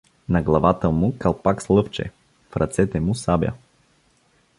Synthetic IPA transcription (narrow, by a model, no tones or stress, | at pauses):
nɐɡlˠɐvat̪əmukɐlˠpakslˠɤft͡ʃɛ̰ | fɾɐ̰t̪sɛt̪ɛmʊsabʲjə̰